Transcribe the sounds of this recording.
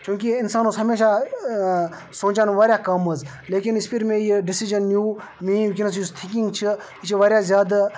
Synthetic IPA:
t͡ʃũːkiɪnsaːnõːsɦɐmeːʃa | sõːt͡ʃanʋaːɾʲjaːkɐmɐz | leːkinispʰiɾmẽjiɖɪsiʒənːjuː | mĩːkinɐs̬just̪ʰɪkĩŋɡt͡ʃʰi | it͡ʃʰiʋaːɾjaːzʲjaːd̪

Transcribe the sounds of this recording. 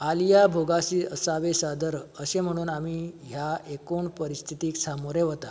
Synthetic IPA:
alijabʱoɡasiːəsaʋesad̪əɾəsem̤əɽ̃uːnamiːɦjaekoɳpəɾist̪ʰit̪iːksamoɾeʋət̪a

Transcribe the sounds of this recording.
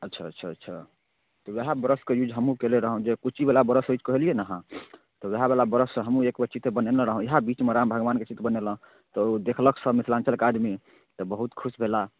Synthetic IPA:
ətːʃʰaətːʃʰaətːʃʰa̰ | t̪ɔweɦabəɾəskejud͡ʒɦəmũkeleɾəɦũd͡ʒekut͡ʃʰibelabəɾəsoit͡ʃkəɦelijenaɦã | t̪ɔweɦabelabəɾəsə̃ɦəmũekbet͡ʃit̪ebənelə̃ɾəɦũiɦabit͡ʃmeɾambʱəɡʋanket͡ʃit̪bənelə̃ | t̪ɔd̪ekʰləksəmit̪ʰlant͡ʃəlkad̪mi | t̪ɔbəɦut̪kʰusbʱela

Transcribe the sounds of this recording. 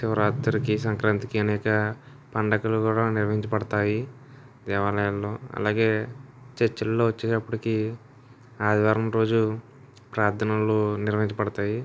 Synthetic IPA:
siʋɐɾaːd̪ɐɾikisɐŋkɾaːnt̪ikiɐnɛːkɐ | pɐɳɖɐkɐlukuːɽaːniɾʋɐɦiɲt͡ʃɐpɐɽɐt̪aːji | d̪ɛːʋaːlɐjɐlːo̞ːɐ̰laːɡe̞ː | t͡ʃet͡ʃːɐlːo̞ːʋɐt͡ʃːeːɐpːuɽiki | aːd̪ʋaːɾɐmɾo̞ːd͡ʒu | pɾaːɾd̪ʰɐnɐloːniɾʋɐɦiɲt͡ʃɐpɐɽɐt̪aːji

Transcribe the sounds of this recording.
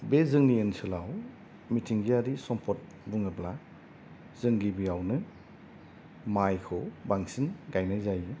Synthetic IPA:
bezɯŋniensʰɯlaw | mitʰiŋɡiaɾisɔmpʰɔt̚ | buŋabla | zɯŋɡibiawnɯ | majkʰɯwbaŋsinɡajnajzajɯ

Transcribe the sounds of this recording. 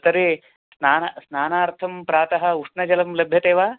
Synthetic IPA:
sɐɾe | snaːnɐsnaːnaːɾt̪ʰɐmpɾaːt̪ɐɦɐ̆uʂɳɐd͡ʒɐlɐmlɐbʱjɐt̪eːʋaː

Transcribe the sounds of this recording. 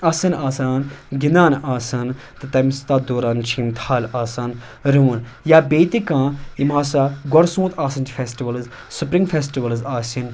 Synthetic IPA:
ɐːsɐnaːsaːnɡinaːnaːsɐn | t̪ɨt̪ɐmst̪aːd̪oːɾaːnt͡ʃʰĩːmt̪ʰaːlaːsaːn | ɾun | jaːbeːt̪ikãːjimaːsaːɡɔɾsũːt̪aːsɐnt͡ʃifʰeːsʈiʋɐlz | supɾĩŋɡfeːsʈiʋɐlzaːsin

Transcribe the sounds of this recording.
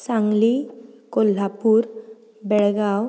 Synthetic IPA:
saŋlikol̤ːapuɾ | bɛɭɡaw

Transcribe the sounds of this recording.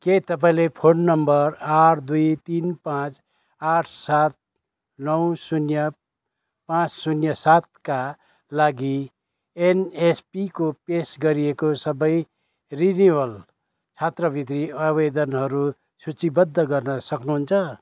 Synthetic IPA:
ket̪ʌp̬aĩlepʰonːʌmbʌɾaʈʰd̪ujt̪inpãt͡s | aʈʰsat̪̚ | nʌwsunjʌ | pãt͡ssunjʌsat̪̚ka | laɡi | enespikopesɡʌɾiekosʌbʌj | riniwʌl | t͡sʰat̪rʌbʱit̪ɾiʌbed̪ʌnɦʌɾu | sut͡sibʌd̪ʱːʌɡʌrnʌsʌknuɦunt͡sʰʌ

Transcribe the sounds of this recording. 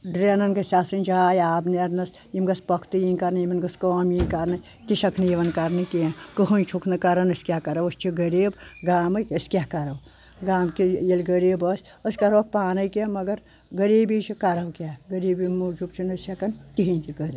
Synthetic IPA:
ɖɾenɐnɡɐsʲasɨnʲd͡ʒʰaːjaːbneɾnɐs | jimɡɐspɐkʰt̪ujinʲkɐɾnɐjimɐnɡɐskoːmjĩnʲkɐɾnɐ | t̪ʲiʃɐkʰnɨjiʋɐnkɐɾnɐkiãkəɦunʲt͡ʃʰukʰnɐkɐɾɐnɐsʲkʲakɐɾɐwɐst͡ʃʰiɡɐɾiːbɡaːmɐjɐsʲkʲaːkɐɾɐw | ɡaːmkijɐlʲɡəɾiːbɐsʲɐsʲkɐɾʋk̚paːnɐjkiemɐɡɐɾ | ɡəɾiːbit͡ʃʰikɐɾɐwkʲaːɡɐɾiːbimud͡ʒubt͡ʃʰinɐsʲɐkɐnt̪ʲiɦinʲkiɡɐɾi

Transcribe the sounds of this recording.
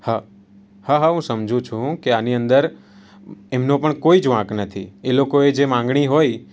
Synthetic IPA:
ha | haɦaɦũsəmd͡ʒʱũt͡ʃʰũkeaniənd̪əɾ | emnõpəɳkoid͡ʒʋãknət̪ʰielokoed͡ʒemãŋɡɳ̃iɦoj

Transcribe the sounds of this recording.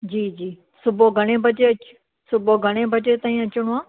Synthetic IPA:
d͡ʑiːd͡ʑiː | sʊboɡʱəɽ̃ebɐt͡ʃeɐt͡ʃ | sʊbʱoɡʱəɽ̃ebɐt͡ʃet̪aːĩɐt͡ʃʊɽ̃oaː

